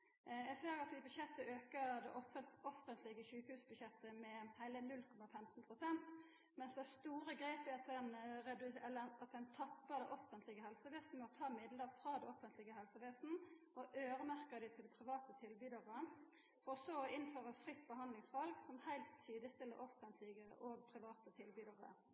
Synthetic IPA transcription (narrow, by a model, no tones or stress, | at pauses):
jɛɡseːɾɑt̪̚d̪ɪbʉd̪ɕɛt̪ːəøːkəd̪ɛ̰ʔɔfəɔfənt̪ʰlɪɡəʃʉːkhʉːsbʉd̪ɕɛt̪ːəmɛhæɪlənʉlkʰɔmɑfɛmt̪npʰʁʊsɛnt̪ | mɛnsd̪ɛæst̪uːɾəɡɾeːpɪɑt̪ɛnɾɛd̪ʉɛlːəɑt̪d̪ɛɪnt̪ʰɑpːəd̪ɛʔɔfənt̪lɪɡəɦɛlsəʋeːsnəmɔt̪ʰɑːmɪd̪ləfɾɑːd̪ɛɔfənt̪lɪɡəɦɛlsəʋeːsn̩ | ɔʔøːɾəmæʁkəd̪ɪt̪ʰɪld̪pʰɾɪʋɑːt̪ət̪ʰɪlbyːd̪əʁəə | fɔʁsɔɪnføːʁəfʁɪt̪ːbəɦɑnd̪lɪŋsʋɑlɡsɔmhæɪlt̪siːd̪əst̪ɪlːə̰ɾʔɔfənt̪ʰlɪɡəʔoːɡ̚pʰɾɪʋɑːt̪ət̪ʰɪlbyːd̪əʁə̰